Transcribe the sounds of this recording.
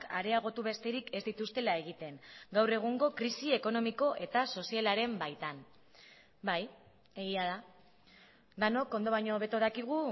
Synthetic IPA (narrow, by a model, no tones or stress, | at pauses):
kʰaɾe̞aɣ̞o̞t̪uβe̞st̪e̞ɾike̞zd̪it̪ust̪e̞lae̞ɣ̞it̪e̞ŋɡawre̞ɣ̞uŋɡo̞kɾisie̞ko̞no̞miko̞ʔe̞t̪aso̞sialaɾe̞mbajt̪an | baj | eɣiaða | d̪ano̞ko̞nd̪o̞β̞ajɲo̞βe̞t̪oð̞akiɣ̞u